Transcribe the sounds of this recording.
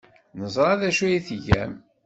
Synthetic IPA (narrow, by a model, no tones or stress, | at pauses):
nəzˤɾˤɑðæʃujiθʝæ̰m